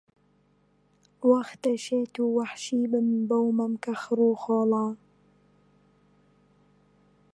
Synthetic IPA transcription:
waxt̪ɐʃeːt̪uːwaħʃiːbəmbawmamkaxɾuːxoːlɑː

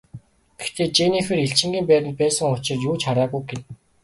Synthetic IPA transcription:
ɡ̥e̥xt̪ʰeːt͡ɕenixĕːreɬt͡ɕɪ̆ŋɡʲiːmpæːɾɪ̆nt̪̚pæːsə̆ŋʊt͡ɕɪ̆rjuːt͡ɕχaɾaːɣujɡen

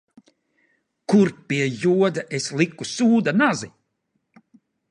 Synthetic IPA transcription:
kuɾpʲiɛjuɔd̪aʔeslˠikusuːd̪anazi

